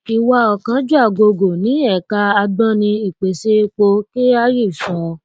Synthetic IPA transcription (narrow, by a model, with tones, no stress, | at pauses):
i˧wa˧˦ɔ˨kã˨˦d͡ʒu˦a˦˨ɡo˧ɡo˨nĩ˨˦ɛ˦˨ka˧a˧bã˦nĩ˧i˨k͡pe˨se˧˦k͡po˧ki˦a˧˦ji˦˨sɔ̃˨˦